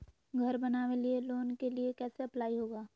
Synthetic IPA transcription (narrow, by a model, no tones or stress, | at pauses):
ɡʱɐɾbɐnaːʋelieloːnkeliekɛːseɐplaːiɦoːɡaː